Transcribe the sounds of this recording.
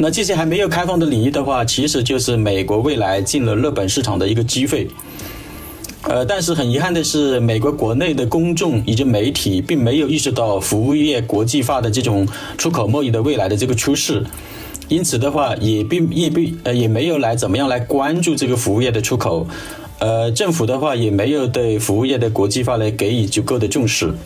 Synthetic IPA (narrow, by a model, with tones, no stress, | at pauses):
na˥˩t͡ɕi˥˩ɕi˥˩xa˧˥ɪme˧˥ɪjo˨˩ʊkʰa˥ɪfɑ˥˩ŋd̪ə˩li˨˩i˥˩d̪ə˩xwa˥˩t͡ɕʰi˧˥ʂɻ̩˧˥t͡ɕjo˥˧ʊʂɻ̩˥˩me˨˩ɪkwɔ˧˥we˥˩ɪla˧˥ɪt͡ɕi˥˩nlə˩lɤ˥˩pə˨˩nʂɻ̩ʰ˥˩ɑ˨˩ŋd̪ə˦i˧˥ɡə˧t͡ɕi˥fe˥˩ɪ | ə˧t̪a˥˧nʂ̬ɻ̩˥˩xə˨˩ni˧˥xa˥˩nd̪ə˩ʂɻ̩˥˩me˨˩ɪkwɔ˧˥kwɔ˧˥ne˥˩ɪd̪ə˩kʊ˥ŋʈ͡ʂʊ˥˩ŋi˨˩ʈ͡ʂə˥me˧˥ɪt̪ʰi˨˩˦pi˥˩ŋme˧˥ɪjo˨˩ʊi˥˧ʂɻ̩˥˧t̪ɑ˥˩ʊfu˧˥u˥˧jɛ˥˩kwɔ˧˥t͡ɕi˥˧fa˥d̪ə˨ʈ͡ʂɤ˥˩ʈ͡ʂʊ˨˩ŋ | ʈ͡ʂʰu˥kʰo˨˩ʊmɔ˥˧i˥˩d̪ə˩we˥˩ɪla˧˥ɪd̪ə˧ɤ˥˩ɡə˩ʈ͡ʂʰu˥ʂɻ̩˥˩ | i˥nt͡sʰɹ̩˨˩d̪ə˦xwa˥˩jɛ˨˩pi˥˧jɛ˥˩pi˥˧ə˧jɛ˨˩me˧˥ɪjo˨˩ʊla˧˥ɪt͡sə˨˩nmə˦jɑ˥˩ŋla˧˥ɪkwa˥nʈ͡ʂu˥˧ʈ͡ʂɤ˥˩ɡə˩fu˧˥u˥˧jɛ˥˩d̪ə˩ʈ͡ʂʰu˥kʰo˨˩˦ʊ | ə˧ʈ͡ʂɤ˥˩ŋfu˨˩d̪ə˦xwa˥˩jɛ˨˩me˧˥ɪjo˨˩ʊt̪we˥˩ɪfu˧˥u˥˧jɛ˥˩d̪ə˩kwɔ˧˥t͡ɕi˥˧fa˥la˧˥ɪke˧˥ɪi˨˩t͡ɕjo˨˩ko˥˩d̪ə˩ʈ͡ʂʊ˥˧ŋʂɻ̩˥˩